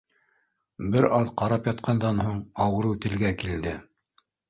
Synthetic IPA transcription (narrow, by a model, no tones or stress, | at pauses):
bɘɾɑðqɑɾɑpjɑt̪qʰɑnd̪ɑnhuɴɑwɤ̆ɾɤwt̪ɘ̆lɡækild̪ɘ